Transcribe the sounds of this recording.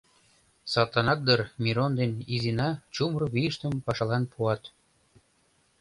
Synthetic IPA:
sɑt̪ɑnɑk̚d̪ərmiɾond̪enizinɑt͡ɕumroβiəʃt̪ə̆mpɑʃɑlɑnpʰuɑt̪

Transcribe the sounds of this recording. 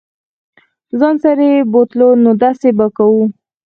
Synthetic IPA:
zɑnsaɾebot̪lonod̪asebakawu

